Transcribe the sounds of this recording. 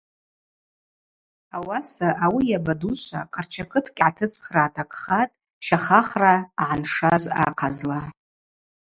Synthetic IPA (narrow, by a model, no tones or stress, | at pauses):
awasaʔawijabaduʃʷa̰qʼart͡ʃʰakʰɨtʰkʲʼʕatʰɨt͡sʰʼχraːtʰakʼχatʼ | ʃaχaχraːʕanʂaza̰qʰazla